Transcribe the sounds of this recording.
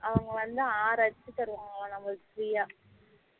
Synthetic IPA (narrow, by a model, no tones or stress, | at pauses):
ɐʋɐŋɡɐʋɐnd̪ɯaːɾɐt͡ʃːɯt̪ːɐɾɯʋaːŋɡɐɭãːnɐmːɐsɾijaː